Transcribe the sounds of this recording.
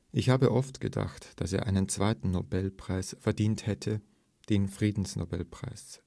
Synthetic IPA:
ʔɪçhaːbəʔɔftɡ̥əda̰χtd̥aseːɐʔaɪnənt͡sv̥aɪtn̩nobɛlpʁ̥aɪsfɛɐdiːnthɛtʰə | d̥eːnfʁ̥iːdn̩sno̰bɛ̰lpʁ̥a̰ɪs

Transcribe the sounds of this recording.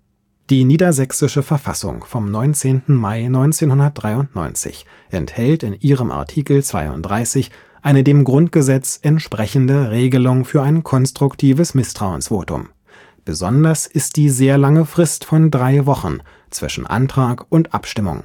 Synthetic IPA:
d̥iːniːdɐzɛksɪʃəfɛɐfa̰sʊ̰ŋfɔmnɔʏnt͡seːntn̩maɪnɔʏnt͡seːnhʊndɐt̚d̥ʁaɪʊntnɔ̰ʏnt͡sɪ̰ç | ʔɛnthɛltɪnʔiːʁəmʔa̰ɐtʰiːkl̩t͡sv̥a̰ɪʊ̰nt̚d̥ʁaɪsɪç | ʔaɪnədeːmɡʁʊntɡ̥əzɛt͡sʔɛntʃpʁ̥ɛçn̩dəʁeːɡəlʊŋfyːɐaɪnkʰɔnstʁ̥ʊktʰiːvəsmɪstʁ̥aʊənsv̥oːtʊ̰m | b̥əzɔndɐsɪst̚d̥iːzeːɐlaŋəfʁ̥ɪstfɔndʁaɪvɔχn̩ | t͡sv̥ɪ̰ʃn̩ʔa̰ntʁ̥aːkʔʊntʔa̰pʃtɪmʊ̰ŋ

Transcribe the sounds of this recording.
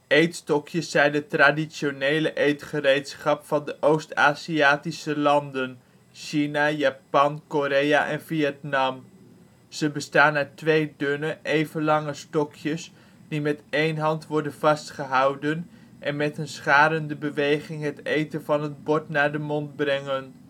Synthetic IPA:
ejtstɔkʰjəsːɛjndətraːdisonejləʔejtχərejtsχɑpfɑndəʔowsta̰ːziaːtisəlɑndən | ʃinajaːpɑnkoɾejaʔɛnviɛtnɑm | z̥əbəstaːnːaːɹtʋejdønəʔejvənlɑŋəstɔkʰjəs | dimɛtejnɦɑntʋɔɹdənvɑstχəɦɑwdən | ʔɛnmɛtənsχaːɾəndəbəʋejχɪŋɦətejtənvɑnɦəd̚bɔɹtnaːɹdəmɔndbrɛŋən

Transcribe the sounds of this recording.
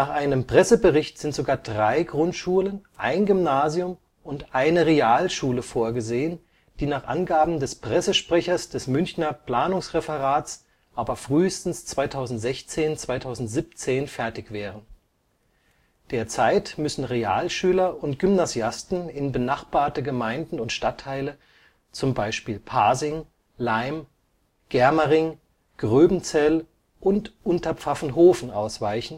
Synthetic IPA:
naːχʔaɪnəmpʁ̥ɛsəbəʁɪçtz̥ɪntz̥oɡaːɐdʁaɪɡʁʊntʃuːlənʔa̰ɪnɡʏmnaːzjʊm | ʔʊntʔaɪnəʁeaːlʃuːləfoːɐɡəzeːən | d̥iːnaːχʔa̰nɡaːbm̩dɛspʁ̥ɛsəʃpʁ̥ɛçɐsd̥ɛsmʏnçnɐpl̥aːnʊŋsʁɛfəʁaːtt͡s | ʔaːbɐfʁ̥yːstn̩st͡sv̥aɪtʰaʊzn̩tz̥ɛçt͡seːnt͡sv̥aɪtʰaʊzn̩tz̥iːp̚t͡seːnfɛɐtɪçv̥ɛːʁən | d̥eːɐt͡saɪtmʏsn̩ʁea̰ːlʃyːlɐʊntɡ̥ʏmnazjastn̩ɪnbənaχb̥aːɐtəɡəmaɪndn̩ʊntʃtatʰːaɪlə | t͡sʊmbaɪʃpiːlpʰaːzɪŋ | laɪm | ɡ̥ɛɐməʁɪŋ | ɡ̥ʁøːbn̩t͡sɛl | ʔʊntʔʊntɐp͡fafn̩ɦoːfn̩ʔaʊsv̥aɪçn̩

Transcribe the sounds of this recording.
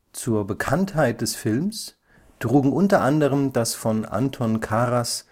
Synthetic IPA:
t͡suːɐbəkʰanthaɪt̚d̥ɛsfɪlms | tʁ̥uːɡŋ̩ʔʊntɐʔandəʁ̞əmdasfɔnʔa̰ntʰɔnkʰaʁas

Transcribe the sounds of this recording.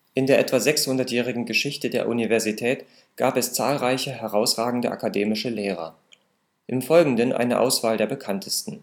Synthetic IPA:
ʔɪndeːɐʔɛtv̥azɛkshʊndɐtjɛːʁɪɡŋ̩ɡəʃɪçtədeːɐʔunivɛɐzitʰɛːt | ɡ̥aːpɛst͡saːlʁaɪçəɦɛʁaʊsʁaːɡŋ̩dəʔa̰kadeːmɪʃəleːʁ̞ɐ̰ | ʔɪmfɔlɡŋ̩dənʔa̰ɪnəʔa̰ʊsv̥aːldeːɐbəkʰantʰəstn̩

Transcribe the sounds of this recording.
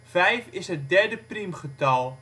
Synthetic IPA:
fɛjfɪsɦət̚dɛrdəprimχətɔlˠ

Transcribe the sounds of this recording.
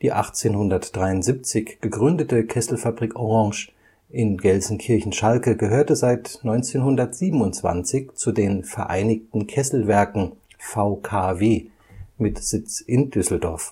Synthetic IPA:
d̥iːʔa̰χt͡seːnhʊndɐtd̥ʁaɪʊntz̥ip̚t͡sɪçɡ̥əɡʁʏndətəkʰɛsl̩fabʁikoʁɑ̃ŋʃ | ʔɪnɡɛlzn̩kʰɪɐçn̩ʃalkəɡəɦøːɐtəzaɪtnɔʏnt͡seːnhʊndɐtz̥iːbm̩ʊnt͡sv̥a̰nt͡sɪçt͡sudeːnfɛɐʔa̰ɪnɪçtn̩kʰɛsl̩vɛɐkŋ̩ | faʊkʰaːveː | mɪtz̥ɪt͡sʔɪnd̥ʏsl̩dɔɐf

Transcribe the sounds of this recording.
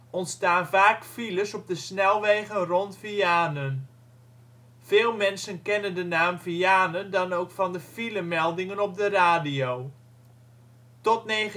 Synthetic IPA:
ʔɔntstaːnvaːkfiləsɔp̚dəsnɛlˠʋeɣənrɔntfiaːnən | v̥ɪːlˠmɛnsənkɛnəndənaːmviaːnəndɑnowkfɑndəfiləmɛlˠdɪŋənɔp̚dəraːdijow | tɔtneː

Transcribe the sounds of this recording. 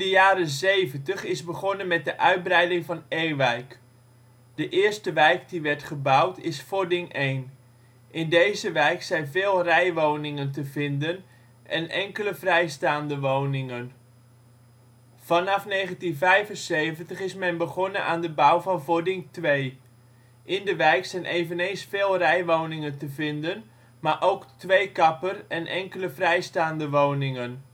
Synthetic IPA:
dəjaːɾəzejvəntəχɪzbəχɔnənmɛt̚dəʔœɥt̚brɛjdɪŋvɑnejʋɛjk | d̥əʔɪːstəʋɛjkdiʋɛɹtχəbawtɪsfodɪŋʔejn | ʔɪndejzəʋɛjksɛjnvɪːlˠrɛjʋownɪŋənt̬əvɪndən | ʔɛ̰nʔɛŋkələvrɛjstaːndəʋownɪŋən | v̥ɑnɑfneːɣəntinvɛjvənsejvəntəχɪsmɛnbəɣɔnəʔaːndəbawvɔnvodɪŋtʋej | ʔɪndəʋɛjksɛjnʔeːvənejnsfeːlˠrɛjʋownɪŋəntəvɪndən | maːʔowktʋejkɑpərɛnʔɛŋkələvrɛjstaːndəʋownɪŋən

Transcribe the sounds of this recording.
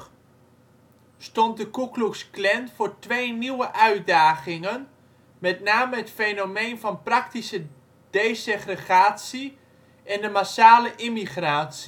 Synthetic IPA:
stɔnt̚dəkukluksklɛnfʊːɹtʋeːniwəʔœɥt̚daːɣɪŋən | mɛtnaːməɦətfenomeːnfɑnprɑk̚tisə | d̥eːseχrəχaːtsi | ʔɛndəmasaːləʔimiχraːtsi

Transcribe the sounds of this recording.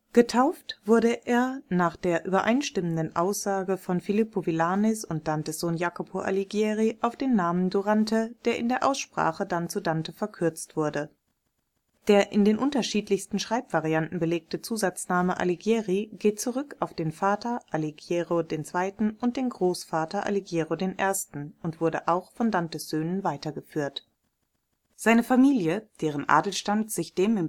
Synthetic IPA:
ɡ̥ətʰaʊftv̥ʊɐɾəʔeːɐnaːχd̥eːɐʔyːbɐʔaɪnʃtɪməndənʔa̰ʊsz̥aːɡəfɔnfilɪpovilaːnɛsʊnt̚d̥antəsz̥oːnjaːkopʰoʔa̰liɡjeːʁiʔaʊfd̥eːnːaːmənduʁantəd̥eːɐʔɪ̰ndeːɐʔa̰ʊsʃpʁ̥a̰ːχədant͡sudantəfɛɐkʰʏɐt͡stv̥ʊɐdə | d̥eːɐʔɪndeːnʔʊntɐʃiːtlɪçstn̩ʃʁ̥aɪpv̥aʁiantn̩bəleːk̚tət͡suːzat͡snaːməʔa̰liɡeːʁiɡeːt̚t͡suʁʏkaʊfd̥eːnfaːtɐʔaliɡjeːʁodeːnt͡sv̥aɪtn̩ʔʊnt̚d̥eːnɡʁoːsfaːtɐʔa̰liɡjeːʁodeːnʔeːɐstn̩ʊntv̥ʊɐdəʔaʊxfɔndantəsz̥øːnənvaɪtɐɡəfyːɐt | z̥aɪnəfamiːljəd̥eːʁ̞ənʔa̰ːdl̩ʃtantz̥ɪçd̥eːmɪm

